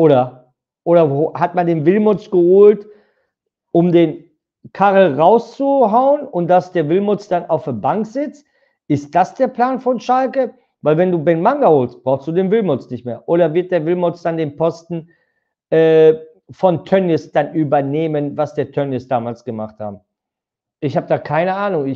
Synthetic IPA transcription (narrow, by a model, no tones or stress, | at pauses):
ʔoːɾɐ | ʔoːɾɐhatmandeːnvɪlmʊt͡sɡ̥əhoːlt | ʔʊmdeːn | kʰaʁl̩ʁaʊst͡suɦaʊənʊnt̚d̥asd̥eːɐvɪlmʊt͡sd̥anʔaʊfdeːɐbaŋkz̥ɪt͡st | ʔɪst̚d̥asd̥eːɐpl̥aːnfɔnʃalkə | vaɪlvɛnduːbɛnmaŋɡahoːlst̚b̥ʁaʊxstd̥uːdeːnvɪlmʊt͡snɪçtmeːɐʔoːɾɐvɪɐt̚d̥eːɐvɪlmʊt͡sd̥andeːnpʰɔstn̩ | ʔɛː | fɔntʰœnɪsd̥anʔyːbɐneːmənvasd̥eːɐtʰœnjɪsd̥aːmaːlsɡ̥əmaχtha̰ːbm̩ | ʔɪçhaːb̚əd̥aːkʰaɪnəʔaːnʊŋɪ